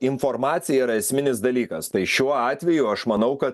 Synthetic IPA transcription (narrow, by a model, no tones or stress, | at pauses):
ɪnfoɾmɑːt̪sʲɪjɛiɾɐɛsʲmʲɪnʲɪs̬d̪ɐlʲiːkɐst̪ɐɪʃʲuɔɑːt̪ʲʋʲɛjʊɐʃmɐnɐʊkɐt̪